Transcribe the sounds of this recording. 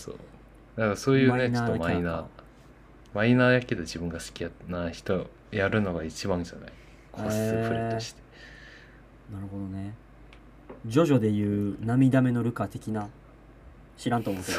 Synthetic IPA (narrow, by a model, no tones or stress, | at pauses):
so̰ː | d̪akaɾso̞ːjɯ̟ːnenoaomaina | mainaːjakʲːed̪ed͡ʑibɯ̟̃ŋɡasɨ̥kʲijanaçi̥t̪o | jaɾɯ̟no̞ɡait͡ɕibãɲd͡ʑana̰i | kʰosɨɯɾit̪oɕi̥t̪e̥ | naɾɯ̟ɦo̞d̪o̞ne | d͡ʑo̞ʑo̞d̪e̞jɯ̟ːnamʲid̪ame̞no̞ɾɯ̟kat̪e̞kʲina | ɕiɾãnt̪oːmoe